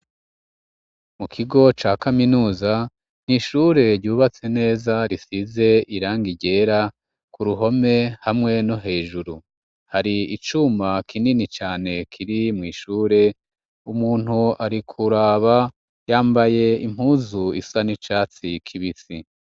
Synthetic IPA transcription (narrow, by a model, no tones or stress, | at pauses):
mukʰiɡo̞t͡ʃaːkaminuːza | n̥iʃuːɾe̞ɾɟuːβat͡se̞ne̞ːzaɾisize̞iɾaːŋɡiɟe̞ːɾa | kuɾuɦo̞me̞hamŋe̞no̞ɦe̞ːʒuɾu | haɾiit͡ʃumakʰininit͡ʃaːne̞kʰiɾimŋiːʃuːɾe̞ | umuːn̥huaɾikʰuɾaːβa | jaːmbaje̞im̥uːzuisanit͡ʃaːt͡sikʰiβisi